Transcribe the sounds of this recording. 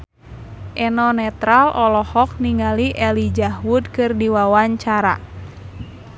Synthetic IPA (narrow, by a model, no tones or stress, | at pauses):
ʔɛnɔnɛt̪ɾalʔɔlɔhɔk̚niŋaliʔɛlid͡ʒahwud̚kɨrdiwawaɲt͡ʃaɾa̰